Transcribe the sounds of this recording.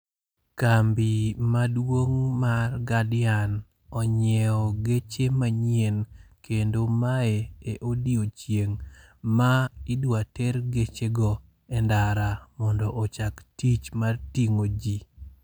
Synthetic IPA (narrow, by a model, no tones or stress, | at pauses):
kambimadwoŋmarɡadɪan | ɔɲɛɔɡet͡ʃemaɲenkʰendomaeeʔodiot͡ʃjeŋmaɪdwatɛɾɡet͡ʃeɡɔ | ɛndaɾamɔndɔʔːt͡ʃaktit͡ʃmartiŋod͡ʒi